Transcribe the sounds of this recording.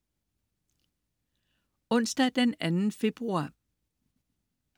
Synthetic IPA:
ɔ̽n̰sd̥ɑd̥enænn̩fe̝b̥ʁuɑ̰̈ː

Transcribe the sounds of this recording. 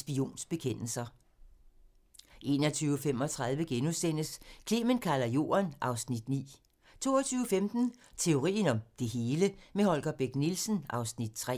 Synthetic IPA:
sb̥io̝̰ːnsb̥e̝kʰen̰l̩sɐ | ʔe̝̰ːnɒt͡sʰyːʊfem̰ɒ̽t͡sʰʁɑ̈ð̞ˠʋəɡ̥enusen̰əskʰle̝ːmənkʰælɐjo̝̰ːɐnʔɑ̈ʊsnid̥nḭː | t͡sʰo̝̰ːɒt͡sʰyːʊəfemd̥n̩t͡sʰe̝o̝ʁḭːn̩ɒ̽md̥e̝ɦe̝ːləmehɒ̽lɡ̥ɐb̥eɡ̥nilsn̩ʔɑ̈ʊsnid̥̚t͡sʰʁɛ̰

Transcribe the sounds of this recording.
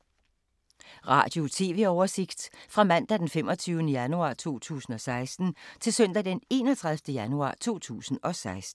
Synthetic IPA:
ʁɑ̰̈ːd̥jo̝t͡sʰe̝ːʋe̝ɒʊɐse̝ɡ̥d̥fʁɑ̈mæn̰d̥æd̥enfem̰ɒ̽t͡sʰyːʊnəjænuɑ̰̈ːt͡sʰo̝̰ːt͡sʰṵːsn̩ɒ̽sɑ̈ɪsd̥n̩t͡sʰe̝lsœn̰d̥æd̥ene̝̰ːnɒt͡sʰʁaðˠfd̥əjænuɑ̰̈ːt͡sʰo̝̰ːt͡sʰṵːsn̩ɒ̽sɑ̈ɪsd̥n̩

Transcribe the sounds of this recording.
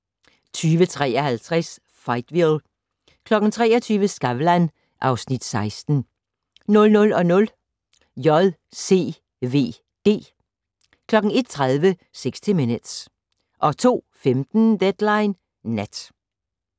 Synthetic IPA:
t͡sʰyːʋət͡sʰʁɛ̰ːɐhælt͡sʰʁɛs | fɑ̈ɪd̥ʋil | kʰlɒ̽ɡ̥n̩t͡sʰʁɛ̰ːɒt͡sʰyːʋəsɡ̥ɑʋlæn | ʔɑ̈ʊsnid̥sɑ̈ɪsd̥n̩ | nɔ̽lnɔ̽lɒ̽nɔ̽l | jɒðˠ | se̝̰ː | ʋe̝̰ː | d̥e̝̰ː | kʰlɒ̽ɡ̥n̩e̝d̥̚t͡sʰʁaðˠʋə | seɡ̥sd̥imenəd̥s | ʔɒ̽t͡sʰo̝̰ːfemd̥n̩d̥ed̥lɑ̈ɪnː | æd̥

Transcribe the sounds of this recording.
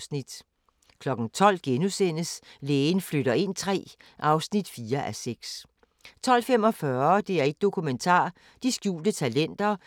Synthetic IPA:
nid̥ | kʰlɒ̽ɡ̥n̩t͡sʰɒ̽l̰ɡ̥enusen̰əsleːn̩fløɾɐe̝n̰t͡sʰʁɛ̰ː | ʔɑ̈ʊsnid̥fiːɐʔæseɡ̥s | t͡sʰɒ̽l̰femɒ̽fɶɐɐd̥e̝æɐe̝ɡ̥̚d̥o̝kʰument͡sʰɑ̰̈ː | d̥isɡ̥jṵːld̥ət͡sʰælen̰d̥ɐ

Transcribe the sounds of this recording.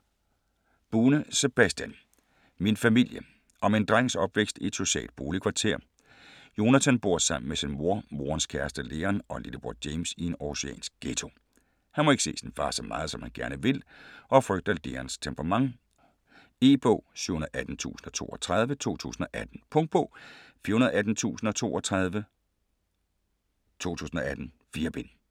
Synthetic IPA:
b̥uːnəse̝b̥æsd̥jæn | minfæmil̰jə | ʔɒ̽me̝nd̥ʁaŋ̰ŋsɒ̽b̥ʋeɡ̥sd̥ied̥so̝ɕɛ̰ːld̥̚b̥o̝ːlikʰʋɑ̈t͡sʰe̝̰ɐ̰ | jo̝næt͡sʰænb̥o̝ɐ̰sɑ̈m̰n̩mesinmo̝ɐ̰mo̝ɐnskʰæɐsd̥əle̝ːɐnɒ̽lḭd̥b̥o̰̥ːjeɪmsie̝nɒɕeɛ̰ːnsɡ̥̚ɡ̥et͡sʰo̝ | hænmɒe̝ɡ̥əsḛːsinfɑ̈ːsɒmʔɑ̈ːð̞̩ˠsɒ̽mhænɡ̥æɐnəʋe̝lʔɒ̽fʁœɡ̥d̥ɐd̥e̝ɐnst͡sʰempʰʁɑmɑ̈ŋ | e̝̰ːb̥ɔ̰ʊɕuhunɐð̩ˠæd̥n̩t͡sʰṵːsn̩ɒ̽t͡sʰo̝̰ːɒ̽t͡sʰʁɑð̞ˠʋət͡sʰo̝̰ːt͡sʰṵːsn̩ɒ̽ʔæd̥n̩pʰɔ̽ŋd̥̚b̥ɔ̰̽ːfiɐhunɐð̩ˠæd̥n̩t͡sʰṵːsn̩ɒ̽t͡sʰo̝̰ːɒt͡sʰʁað̞ˠʋə | t͡sʰo̝̰ːt͡sʰṵːsn̩ɒ̽æd̥n̩ | fiːɐb̥en

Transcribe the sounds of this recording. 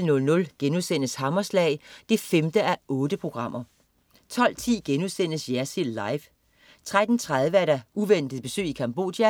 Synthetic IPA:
lnɔ̽lnɔ̽lɡ̥enuðˠsenəshɑ̈mɐslɛ̰ːɪd̥efemd̥əʔæʔɔ̽ːd̥əpʰʁo̝ɡ̥ʁɑ̈m̰ɐ | t͡sʰɒ̽l̰t͡sʰḭːɡ̥enuðˠsen̰əsjæɐsilːɑ̈ɪf | t͡sʰʁad̥n̩t͡sʰʁað̞ˠʋəæɐɾæuʋen̰d̥ð̩ˠb̥e̝sø̰ːikʰɑ̈mb̥o̝̰ːd̥jæ

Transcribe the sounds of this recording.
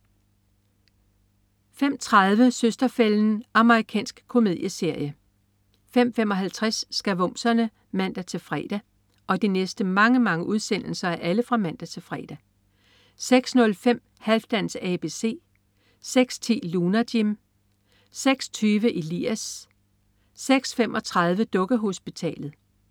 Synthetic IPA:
fem̰t͡sʰʁɑðˠʋəsøsd̥ɐfeln̩ɑ̈məʁikʰɛ̰ːnsɡ̥kʰo̝me̝ðˠjəse̝ɐ̰jə | fem̰fem̰ɒ̽ɦælt͡sʰʁasːɡ̥æʋɔ̽m̰sɐnə | mæn̰d̥æt͡sʰe̝lfʁɛ̰ːd̥æ | ʔɒ̽d̥inesd̥əmɑ̈ŋəmɑ̈ŋəʔuðˠsen̰l̩sɐæʔæləfʁɑ̈mæn̰d̥æt͡sʰe̝lfʁɛ̰ːd̥æ | seɡ̥snɔ̽lfem̰ | hælfd̥ænsɛb̥e̝se̝̰ː | seɡ̥st͡sʰe̝̰ːlunæd̥im | seɡ̥st͡sʰyːʋəʔilḭæs | eɡ̥sfem̰ʔɒ̽t͡sʰʁɑ̈ð̞ˠʋəd̥ɔ̽ɡ̥əɦo̝sb̥it͡sʰɛ̰ːlð̞̩ˠ

